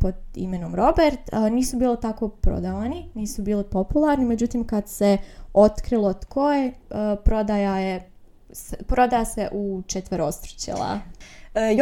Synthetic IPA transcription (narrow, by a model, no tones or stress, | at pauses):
po̞d̪ḭmenomɾo̞beɾt̪niːsubiːlit̪ako̞pɾo̰d̪aʋaniniːsubiːlipo̞pulˠaɾnime̞d͡ʑut̪iːmkad̪seo̞t̪kɾilˠot̪kʰo̞jepɾo̞d̪ajaje | spɾo̞d̪ajaseʔut͡ʃet̪ʋeɾost̪ɾo̥t͡ɕḛlˠa̰ | j